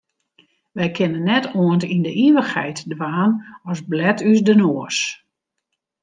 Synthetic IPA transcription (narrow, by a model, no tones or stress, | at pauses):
ʋɛjkʰɪnənːɛtoəntindəʔiʋəxhɛ̰jtdʋaːnɔsblɛtysdənoəs